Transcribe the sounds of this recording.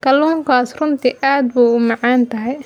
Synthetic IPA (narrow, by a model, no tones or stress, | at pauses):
kɐluːŋkʰaːsrʊnt̪ʰiʔaːd̪̚buːʊmɑʕɑːnt̪ʰɐɦɛj